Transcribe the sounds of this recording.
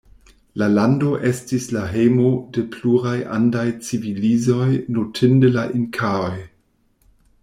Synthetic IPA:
lalando̞ʔestislaɦejmodepluɾajʔa̰ndajt͡sivilizojnotʰɪndelaʔinkʰaoj

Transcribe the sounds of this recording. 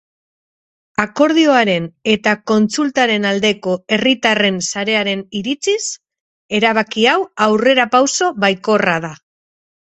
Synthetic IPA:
ako̞ɾð̞io̞aɾe̞ne̞t̪ako̞nt͡sult̪aɾe̞nald̪e̞ko̞e̞rit̪are̞nsaɾe̞aɾe̞niɾit͡sis | e̞ɾaβ̞akiawawre̞ɾapawso̞βajko̞rað̞a

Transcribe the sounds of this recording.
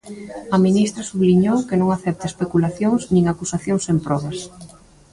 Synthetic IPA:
ɐminist̪ɾɐsuβliɲowkenõŋaθɛp̚t̪ɪespekulaθjoŋznĩŋakusaθjoŋsempɾɔβɐs

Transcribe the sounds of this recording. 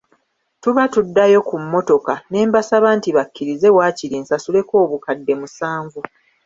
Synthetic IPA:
tuβatudːajo̞kumːo̞to̞kane̞ːmbasaβaːntiβakːiɾize̞waːciɾiːnsasule̞ko̞ːβukadːe̞musaːɱvu

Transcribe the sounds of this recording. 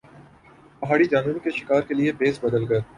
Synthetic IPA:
pɐɦaːɽid͡ʒaːnuːɾkeʃɪ̥kaːɾkeliebeːsbɐd̪əlɡɐ

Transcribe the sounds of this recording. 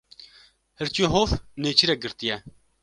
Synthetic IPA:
hɨɾt͡ʃijoɦoːfneːt͡ʃʰiɾɛɡɨɾt̪ijɛ

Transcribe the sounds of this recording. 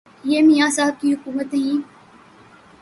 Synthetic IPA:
jeːmijaːsaɦəb̚kiːɦʊkuːmət̪ɦĩː

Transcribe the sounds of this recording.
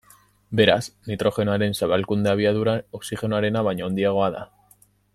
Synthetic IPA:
be̞ɾasnit̪ɾo̞xe̞noaɾe̞nsaβalkund̪eaβiaðuɾaoksixe̞noaɾe̞naβaɲaond̪iaɣ̞o̞aða̰

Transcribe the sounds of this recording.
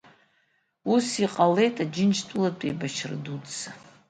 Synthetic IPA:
usiqʼale̞jtʼad͡ʒɪnt͡ʃʰtʷʼulatʷʼejbat͡ʃʰrɨ̰dudt͡sa

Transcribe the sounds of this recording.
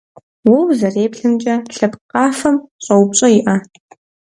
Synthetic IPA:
wɔwzɐreːpɬɨnt͡ʃʼɐɬɐpqʼɑːfɐmɕʼɐwpɕʼɐjɪʔɐ

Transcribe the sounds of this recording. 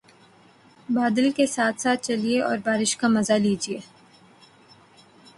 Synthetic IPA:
baːd̪əlkesaːt̪ʰsaːt̪̚t͡ʃɐlieʔɔ̰ːɾbaːɾɪʃkamɐzaliːd͡ʒieː

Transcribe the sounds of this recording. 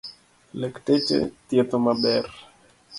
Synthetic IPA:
lektet͡ʃḛt̪jet̪omabɛr

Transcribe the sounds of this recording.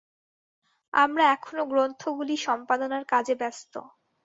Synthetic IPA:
amɾaɛkʰonoɡɾont̪ʰoɡuliʃɔmpad̪onaɾkad͡ʑebɛst̪o̰

